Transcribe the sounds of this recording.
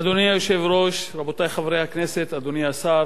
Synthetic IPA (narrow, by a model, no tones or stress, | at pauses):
ad̪onijajo̞ʃe̞vɾo̞ʃɾabot̪ajχavɾejhakne̞set̪ad̪onijasaɾ